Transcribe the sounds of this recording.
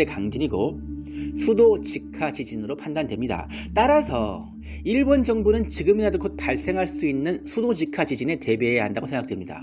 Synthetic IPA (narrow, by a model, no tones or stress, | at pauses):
ekaŋd͡ʑɯɲiɡo | sʰudot͡ɕikʰad͡ʑid͡ʑinɯɾopʰandandwe̞mɲida̰ | t͈aɾasʰʌ | iɭbond͡ʑʌŋbonɯnt͡ɕiɡɯmidadokot̚paɭs͈e̞ŋɦaɭs͈uinːɯnsʰudod͡ʑikʰad͡ʑid͡ʑine̞te̞be̞ːjaɦandaɡosʰeŋɡak̚twemɲida̰